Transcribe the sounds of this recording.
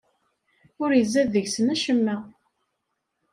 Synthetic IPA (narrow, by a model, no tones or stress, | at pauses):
ʊɾjəzːæðːəʝsənæʃəmːæ